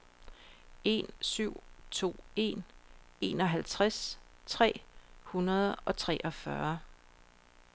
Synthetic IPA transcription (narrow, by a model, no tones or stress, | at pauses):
e̝nsyʊ̰t͡sʰo̝̰ːe̝̰n | e̝nɒ̽ɦælt͡sʰʁast͡sʰʁɛ̰ːhunɐð̞ˠɒ̽t͡sʰʁɛ̰ːʔɒ̽fɶɐ